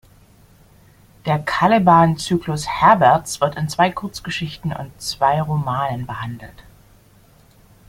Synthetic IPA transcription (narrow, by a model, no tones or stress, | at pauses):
d̥eːɐkʰalɪbaːnt͡syːklʊshɛɐbɛɐt͡sv̥ɪɐtɪnt͡sv̥aɪkʰʊɐt͡sɡ̥əʃɪçtn̩ʊ̰ntt͡sv̥aɪʁomaːnənbəhandl̩t